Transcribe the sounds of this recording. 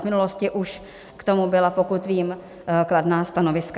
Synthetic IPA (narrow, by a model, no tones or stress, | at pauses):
vmɪnuloscɪʔuʃ | kt̪o̞mubɪlapokut̪viːm | kladnaːst̪ano̞vɪsk